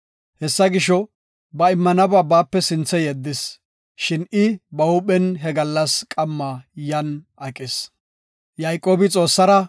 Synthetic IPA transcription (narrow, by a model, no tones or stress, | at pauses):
hɛsːɐɡɪʃɔ | bɐɪmːɐnɐbaːbaːpːɛsɪnt͡sːɛjɛd̪ːɪs | ʃɪnɪbɐʊpɛnɦɛɡɐlːɐskʼɐmːajɐnʔɐkʼːɪs | jajkʼo̞ːbɪt͡sʼo̞ːsːɐɾɐ